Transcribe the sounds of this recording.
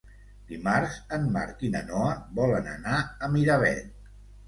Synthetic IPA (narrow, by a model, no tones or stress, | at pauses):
d̪̥imaɾzənma̰ɾk̪inənɔəβɔlənə̰naəmiɾaβɛ̰